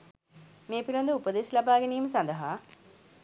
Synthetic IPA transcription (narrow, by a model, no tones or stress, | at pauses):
meːpilɐnd̪uupəd̪esilabaːɡeniːməsand̪əɦaː